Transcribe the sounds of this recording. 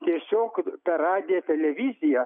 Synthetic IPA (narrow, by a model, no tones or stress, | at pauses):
t̪ʲiɛsʲoːkp̪ɐɾɑːd̪ʲeːt̪ʲɛlʲɛʋʲizʲɪjɛ